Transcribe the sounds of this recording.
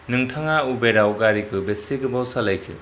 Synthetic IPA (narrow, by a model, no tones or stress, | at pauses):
nɯŋtʰaŋaubeɾawɡaɾikʰɯbeseɡɯbawsalajkʰɯ̰